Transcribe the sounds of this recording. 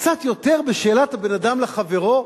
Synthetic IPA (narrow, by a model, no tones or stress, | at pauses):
kt͡sat̪jo̞t̪e̞ʁbeʃe̞ːlathabe̞nadamlaχave̞ʁo̞